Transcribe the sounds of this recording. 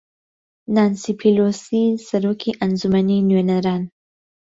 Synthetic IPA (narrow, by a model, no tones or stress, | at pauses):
naːnsipʰilosisaɾokʰiʔanzumaninwenaɾɑːn